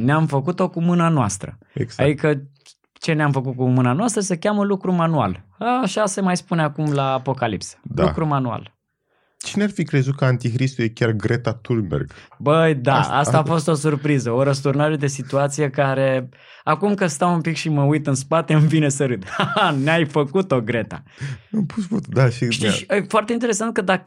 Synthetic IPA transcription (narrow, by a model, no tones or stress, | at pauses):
neamfəkut̪o̞kumɨnanoa̰st̪ɾə̰eɡa̰ikə | t͡ʃe̞neamfək̬ut̪̚kumɨnanoast̪ɾəsəkʲaməlukɾumanua̰laːʃase̞majspuneakumlaːpo̞kalḭpsə̥d̪aṵkɾumanua̰l | t͡ʃinearfikɾe̞zut̪̚kəant̪ikɾist̪ujekʲarɡɾet̪at̪ulmbḛrɡbəjd̪asa̰saːfo̞st̪o̞surpɾizəoɾəs̬t̪urnaʒe̞d̪e̞sit̪uat̪sije̞kaɾe̞ | akumkɨst̪awumpikʃiməujt̪ɨnspat̪e̞ɨmfine̞səɾɨt̪aaneajfəkut̪o̞ɡɾe̞t̪a̰əmpusfut̪d̪aʃiʃiəjfoart̪eint̪eɾe̞sant̪̚kəd̪a